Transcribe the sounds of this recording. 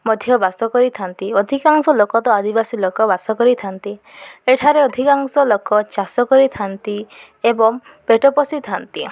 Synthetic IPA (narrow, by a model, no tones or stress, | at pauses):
mɔd̪ʱjɔbasɔkɔɾit̪ʰant̪iɔd̪ʱikaŋsɔlokɔt̪ɔad̪ibasilokɔbasɔkɔɾit̪ʰant̪ieʈʰaɾeɔd̪ʱikaŋsɔlokɔt͡ʃasɔkɔɾit̪ʰant̪i | ebɔŋ | peʈopɔsit̪ʰant̪i